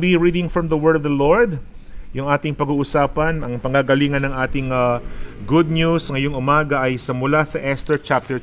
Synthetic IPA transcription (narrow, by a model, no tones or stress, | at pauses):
biɹid̪ɪŋfɹɐmðɐwɜɹdvd̪ɐloɹd̪̚ | jʊŋʔaːt̪ɪŋpɐɡuːʔʊsaːpɐnʔɐŋpɐŋɡaɡɐliːŋɐnɐŋʔaːt̪ɪŋɐɡʊd̪̚njusŋɐjoŋʔʊmaːɡɐʔɐjsɐmʊlasɐʔɛst̪ɛɹt͡ʃap̚t̪ɛ